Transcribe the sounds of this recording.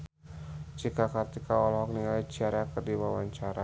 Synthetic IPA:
d͡ʒikakart̪ikaɔlɔɦɔk̚niŋai̥d͡ʒaɾakərdiwawaɲt͡ʃaɾa

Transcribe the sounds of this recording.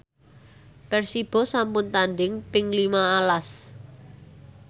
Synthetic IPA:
pɛrsib̥ɔ̤sampʊnt̪andɪŋpɪŋlimaːlas

